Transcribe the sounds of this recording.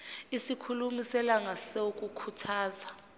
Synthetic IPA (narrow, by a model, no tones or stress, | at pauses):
isikʰulumisɛlaŋasok̬ʼukʰutʰaːza